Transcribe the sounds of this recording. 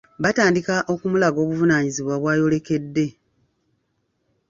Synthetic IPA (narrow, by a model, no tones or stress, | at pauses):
βataːndikaʔo̞kumulaɡo̞ːβuvunaːɲiziβwaβwaːjo̞le̞ke̞dːe̞